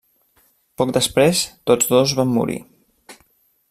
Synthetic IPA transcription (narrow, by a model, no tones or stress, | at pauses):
pɔk̚d̪əspɾest̪od͡zðozβamːṵɾḭ